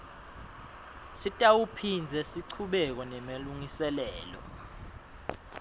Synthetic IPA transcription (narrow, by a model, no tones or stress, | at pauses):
sitʼawupʰind͡zʱɛsiǀʰuɓɛk̬ɔnɛmaluŋisɛlɛːlɔ̰